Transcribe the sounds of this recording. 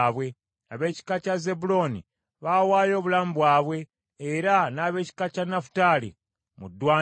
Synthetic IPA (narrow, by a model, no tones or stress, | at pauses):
βwe̞ | naβe̞ːci̥kacazebulo̞nḭ | βawaːjo̞ːβulaːmbwaːβwe̞ː | ɾanaβe̞ːci̥kacanafu̥talḭ | mṵdwaː